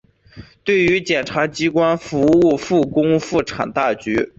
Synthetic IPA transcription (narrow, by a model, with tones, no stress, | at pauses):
t̪we˥˩ɪy˧˥t͡ɕjɛ˨˩nʈ͡ʂʰa˧˥t͡ɕi˥kwa˥nfu˧˥u˥˧fu˥˩kʊ˥ŋfu˥˩ʈ͡ʂʰa̰˨˩ŋt̪a˥˩t͡ɕy˧˥